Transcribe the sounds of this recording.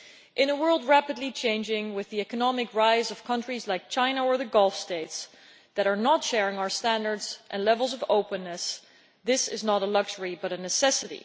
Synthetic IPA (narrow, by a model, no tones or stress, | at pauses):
ʔɨ̃nəwɜ˞lˠd̚ɹæpɨdˡlit͡ʃʰẽɪ̃nd͡ʒɪ̃ŋwɨðiɛkɨnɑmɨkɹaɪzʌv̥kʰʌ̃nt͡ʃɹ̥izlaɪk̚t͡ʃʰãɪ̃nəə˞ðɨɡɔlˠfsteɪts | ðɨɾə˞nətʃɛɹɪ̃ŋaʊə˞stæ̃ndə˞dzʔɨ̰̃nlɛvl̩ˠzʌvoʊpɨ̃nːɨs | ðɪsɨ̰znəɾəlʌɡʒə˞ibʌɾɨnɨsɛsɨɾḭ